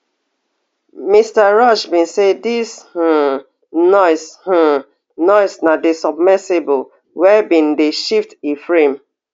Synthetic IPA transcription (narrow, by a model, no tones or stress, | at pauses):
mistaɹɔʃbĩnsedish | nɔɪsh̩ | nɔɪsnadesɔbmɛsebol | wɛbĩndeʃiftifɹẽm